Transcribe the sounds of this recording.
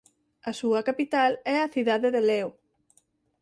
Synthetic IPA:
ɐsuɐkapit̪alɛɐθiðaðeðelew

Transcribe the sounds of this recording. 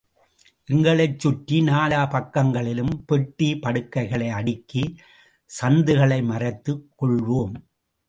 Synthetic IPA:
ʔɪŋɡɐɭɐɪt͡ʃːʊʈːinaːlaːpɐkːɐŋɡɐɭɪlɯmpɛʈːipɐɽɯkːɐɪɣɐɭɐɪɐɽɪkːi | sɐnd̪ɯɣɐɭɐɪmɐrɐt̪ːɯkːɔɭʋoːm

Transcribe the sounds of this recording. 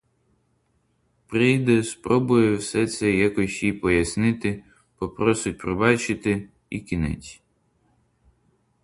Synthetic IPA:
pɾijd̪ɛspɾɔbʊjɛwsɛt̪sɛjakɔsʲjipɔjɐsnɪt̪ɪ | pɔpɾɔsɪt̚ʲpɾɪbɑt͡ʃɪt̪ɪ | ikʲinɛ̰t͡sʲ

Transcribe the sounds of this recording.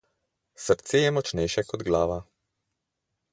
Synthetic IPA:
səɾt̪seːjɛmɔt͡ʃnɛjʃɛkɔd̪ɡlaːʋa

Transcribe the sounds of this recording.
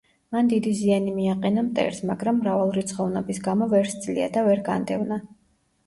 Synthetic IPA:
mand̪id̪izianimiaqʼɛnamt̪ʼɛ̰ɾsmaɡɾamːɾavalˠɾit̪sʰχɔvnɛbisɡamɔvɛɾst̪zʼlḭa̰d̪avɛɾɡand̪ɛvna

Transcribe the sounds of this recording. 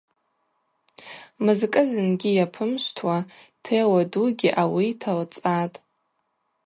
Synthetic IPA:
mɨzkʼɨzɨnɡʲijapʰɨmʃʷtʰwatʰewaduɡʲiʔawitʰalt͡sʼatʼ

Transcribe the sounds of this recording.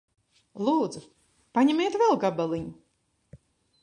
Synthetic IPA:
lˠuːd̪zu | paɲɛmʲeːt̪vɛlˠɡabalˠiɲu

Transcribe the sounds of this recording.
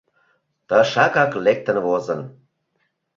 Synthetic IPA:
t̪əʃɑkɑklek̚t̪ə̆nvozən

